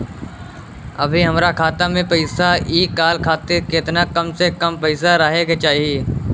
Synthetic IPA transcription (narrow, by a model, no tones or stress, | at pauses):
ɐbʱiɦɐmɾakʰaːt̪amẽpɐɪsaiːkːaːlkʰaːt̪eɾket̪nakɐmsekɐmpɐɪsaɾɐɦeket͡ʃaːɦieː